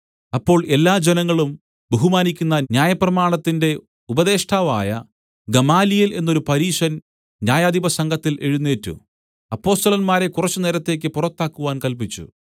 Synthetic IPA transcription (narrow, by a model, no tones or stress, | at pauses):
ɐpːo̞ːɭe̞lːaːd͡ʑenɐŋːɐɭum | beɦumaːnikʲːunːɐnjaːjɐprɐmaːɳɐt̪ːinde̞ | ubɐðe̞ːʂʈʰaːʋa̰ːjɐ | ɡɐmaːlijile̞nːo̞ɾupɐɾiːʂɐn | njaːjaːd̪ʱibɐsɐŋɡʱɐt̪ːilʔe̞ɻunːeːtːṵ | ɐpːo̞ːst̪ɐlɐnmaːɾe̞kurɐt͡ɕːɨneːɾɐt̪ːe̞ːk̬ʲːɨpurɐt̪ːaːkːuʋaːnkɐlp̬it͡ɕːṵ